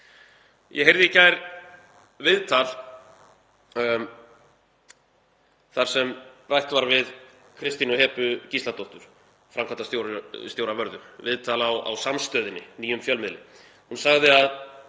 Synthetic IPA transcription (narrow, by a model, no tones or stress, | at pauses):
jɛ̰ɦejɾðɪɛcaːjɾ | vɪðt̪ʰal | θaɾ̥sɛmrajht̪vaɾvɪð | kʰɾɪst̪inɔhɛːpʏcist̪lat̪owht̪ʏɾ̥ | fɾamkʰant̪ast̪jowɾst̪jowɾavœɾðʏvɪðt̪ʰaːlawa̰wsamst̪œːðɪnːɪniːjʏmfjœlmɪðlɪ̰ | hunsaɣðɪað